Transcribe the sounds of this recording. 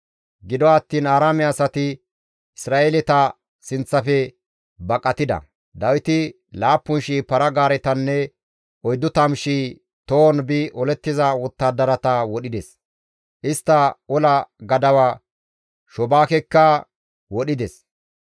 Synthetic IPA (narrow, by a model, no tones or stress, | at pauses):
ɡɪd̪ɔɐt̪ːiːnaːɾaːmɛɐsɐt̪ɪ | ɪsɾaːʔelɛt̪ɐ | sɪnt͡sːɐfɛ | bɐkʼːɐt̪ɪd̪ɐ̰ | d̪ɐwɪt̪ɪ | laːpːʊnʃiːpɐɾɐɡaːɾɛt̪ɐnːɛ | ʔɔjd̪ːʊt̪ɐmʃiː | t̪oːnbɪʔɔlɛt̪ːɪzɐwɔt̪ːaːd̪ɐɾɐt̪ɐwɔɗɪd̪ɛs | ʔɪst̪ːɐɔlɐɡɐd̪ɐwa | ʃɔbaːkɛkːɐ | wɔɗɪd̪ɛs